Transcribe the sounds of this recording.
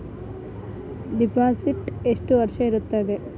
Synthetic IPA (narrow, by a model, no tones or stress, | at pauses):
ɖipaːsiʈeʂʈuʋɐɾʃɐiɾut̪ːɐd̪e